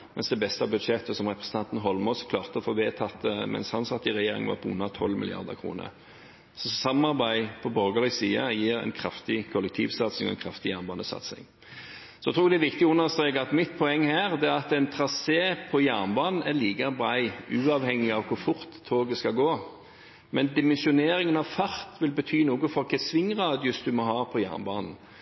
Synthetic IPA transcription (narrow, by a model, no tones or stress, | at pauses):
mɛ̰nsd̪ɛbɛst̪əɑbʉd̪ʂɛt̪ːəsɔmʁɛpɾʁɛsən̩t̪ɑnt̪nəɦɔlmɔʏskʰlɑːʁt̪əɔfoːʋeːt̪ʰɑt̪ːəmɛ̰nshɑnsɑt̪ːɪʁɛjeːɾɪ̰ŋənʋɑ̰ːpʰɔʉ̰nːɑt̪ʰɔlːmɪ̰lɪ̰ɑ̰ʁd̪ə̰ʁkʰʁṵːnə̰ | sɔsɑmɑʁbæɪpʰɔbœɾɡəlɪsiːə̰jiːʁɛ̰ɪnkʰɾɑft̪ɪkʰɔlɛk̚t̪ʰiːʋsɑt̪snɪŋɔɛ̰nkʰɾɑft̪ɪjæʁnbɑːnəsɑ̰t̪sɪ̰ŋ | sɔɛt̪ʰʁuːd̪ɛæʋɪkt̪ɪʊnːəʁst̪ɾeːkɑt̪mɪt̪̚pʰɔɛŋːhæːɾd̪ɛɑt̪ɛɪnt̪ʰɾɑseːpʰɔjæʁnbɑːnn̩æliːɡəbɾæɪʉːɑʋhɛŋːɪɑʋkʰʊɾfʊɾt̪ʰːoːɡəskɑɡoː | mɛnd̪ɪmɛnsɪʊneːɾɪŋənɑʋfɑɾt̪ʋɪlbət̪ʰyːnuːɡʊfɔʁkʰɛsʋɪŋːʁɑːd̪ɪʊsd̪ʉmɔɦɑːpʰɔjæ̰ʁnbɑ̰ːnn̩